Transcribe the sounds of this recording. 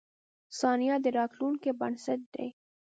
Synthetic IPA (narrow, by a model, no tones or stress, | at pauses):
sɑnijɑd̪əɾɑt̪lunkebansat̪̚d̪ḛj